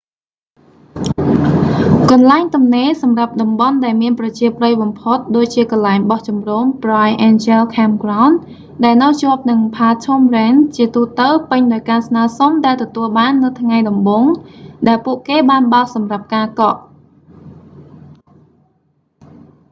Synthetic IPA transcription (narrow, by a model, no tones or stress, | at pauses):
kɑnlaɛŋt̪umneːsɑmrap̚ɗɑmɓɑnɗaɛlmiənprɑt͡ɕiəprəjɓɑmpʰot̪̚ɗoːc̚t͡ɕiəkɑnlaɛŋɓɑht͡ɕɑmroːmprajʔɛːnt͡ɕɛlkʰamkraʊn | ɗaɛlnɨwt͡ɕŏəp̚nɨŋpʰaːtʰomrɛːnt͡ɕiət̪uːt̪əwpɨɲɗaɔjkaːsnaəsomɗaɛlt̪ɔt̪uəlɓaːnːɨwt̪ʰŋajɗɑmɓoːŋɗaɛlpuəʔkeːɓaːnɓatsɑmrap̚kaːkɑʔ